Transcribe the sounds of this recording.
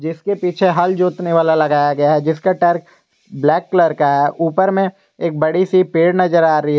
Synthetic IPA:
d͡ʒɪskepiːt͡ʃʰeɦɐld͡ʒoːt̪neʋaːlalɐɡaːjaɡɐjaɦɛd͡ʒɪskaʈɛɾk | blɛːkːləɾkaɦɛʔuːpəɾmẽ | eːk̚bɐɽisipeːɽnɐd͡ʒəɾaːɾɐɦiɦ

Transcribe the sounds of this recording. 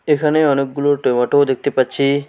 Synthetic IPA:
ekʰaneɔnek̚ːɡuloʈojmaʈod̪ek̚t̪epatːt͡ɕʰi

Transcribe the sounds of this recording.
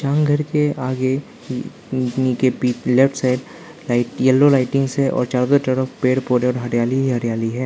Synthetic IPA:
t͡ʃãːŋɡʱɐɾkeaːɡe | nikepiːlefʰʈsaːɪɖ | ɪjɐlːolaːɪʈɪ̃ŋɡseʔɔ̰ːɾt͡ʃaːɾd̪aʈəɾəfpeːɽpoːɾeɔːɾɦɐɾjaːliɦiɦɐɾjaːliɦɛː

